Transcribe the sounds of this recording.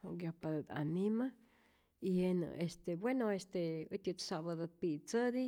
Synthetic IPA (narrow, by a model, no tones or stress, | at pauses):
oɡjopad̪ad̪a̰nima | ihenə̰ʔest̪ebwenoest̪eɨt̪ʲut̪saβad̪apit͡səd̪i